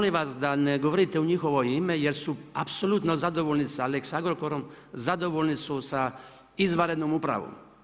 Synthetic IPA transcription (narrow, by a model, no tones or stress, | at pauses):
liʋasd̪aneɡoʋoɾit̪euɲixo̞ʋo̞imejeɾsuapsolut̪nozad̪oʋolnisaleksand̪ɾokoɾom | zad̪o̞ʋolʲnisusa | izʋaɾed̪nomupɾa̰ʋo̰m